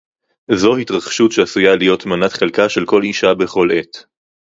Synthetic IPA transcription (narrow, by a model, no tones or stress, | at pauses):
zo̞hitʁaχʃutʃeasujalijo̞t̪manat̪χelkaʃe̞lko̞liʃabe̞χo̞le̞t̪